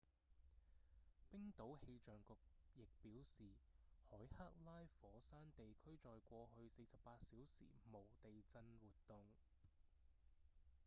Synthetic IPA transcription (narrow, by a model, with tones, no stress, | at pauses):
pɪ˥ŋt̪o˨˥whe˧jt͡ʃœː˨ŋkʊ˨k̚jɪ˨k̚piː˨˥wsiː˨hɔː˨˥jha˥k̚laː˥jfɔː˨˥saː˥nt̪e˨jkʰɵ˥ɥt͡ʃɔː˨jkʷɔː˧ɦɵ˧ɥse˧sɐ˨p̚ːaː˧t̚siː˨˥wsḭː˨˩mo˨˩wt̪e˨jt͡sɐ˧nwuː˨t̚t̪ʊ˧ŋ